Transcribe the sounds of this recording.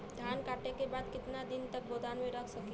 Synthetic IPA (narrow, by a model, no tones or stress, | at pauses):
d̪ʱankaʈekebad̪kɪt̪nad̪int̪ək̚bod̪anmeɾəkʰsəki